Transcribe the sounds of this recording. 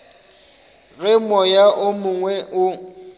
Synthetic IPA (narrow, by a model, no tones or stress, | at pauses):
ɣɪmɔjaʔʊmʊŋwɛʔʊ